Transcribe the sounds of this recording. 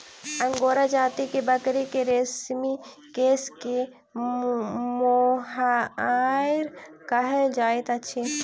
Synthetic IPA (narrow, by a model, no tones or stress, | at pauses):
əŋɡoɾad͡ʒaːt̪ikebəkɾikeɾesmi | keske | moɦa | jɾ | kəɦed͡ʒaːjt̪ət͡ʃʰe